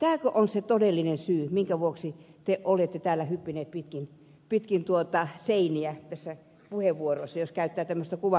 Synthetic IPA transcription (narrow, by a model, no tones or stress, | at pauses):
t̪æːkøʔonset̪odelːinensyːmiŋkæʋuoksit̪eʔʔolet̪ːet̪æːlːæhypːineːt̪̚pit̪kin | pit̪kint̪uot̪ɑseiniæt̪æsːæ | puheʋːuoroisːɑjoskæyt̪ːæːt̪æmːøst̪ækuʋɑ